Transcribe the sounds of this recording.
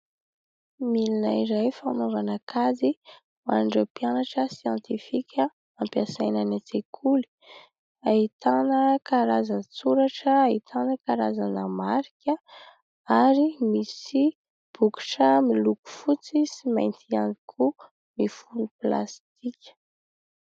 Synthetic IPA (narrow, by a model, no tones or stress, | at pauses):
milina̰iɾajfanovanakazi | maɳɖ͡ʐəpianaʈ͡ʂəsjɑ̃nt̪ifikʰʲə | ampjasajnanat͡sekʰuli̥ | ait̪anəkaɾazant͡suɾaʈ͡ʂəːit̪ʰanəkaɾazanəmaɾikʲə | aɾimisi | b̥uki̥ʈ͡ʂəmiluku̥fut͡sisima̰jnt̪ʰianikʰu | mifunupla̰st̪ikʲə̥